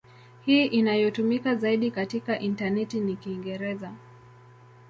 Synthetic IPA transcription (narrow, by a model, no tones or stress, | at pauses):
hiːʔinajɔtumikazaiɗikatikaʔintanɛtinikiŋɡɛɾɛza